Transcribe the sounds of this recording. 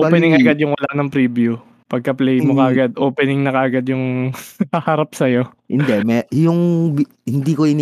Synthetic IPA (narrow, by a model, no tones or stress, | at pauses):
ʔopɛnɪŋɐɡad̪jʊŋwɐlaʔnɐŋpɾiːbju | pɐɡ̚kɐplɛjmokɐʔɐɡad̪̚ʔoːpɛnɪŋnɐkɐʔɐɡad̪jʊŋɐhaɾap̚sɐjo̞ | hɪnd̪ɛmɛjʊŋb | hɪnd̪iːkoɪnː